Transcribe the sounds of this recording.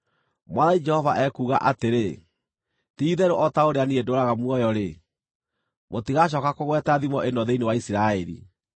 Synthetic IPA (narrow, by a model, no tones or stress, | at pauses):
mwaðaid͡ʒɛhɔvaʔɛkuːɣa̰ʔateɾe | tiːðɛɾoʔɔtaoɾeaniedoɾaɣamwɔjɔɾe | motiɣaɕ̬ɔːkakoɣwɛtaðimɔʔendɔðeinewaisiɾaɛɾḭ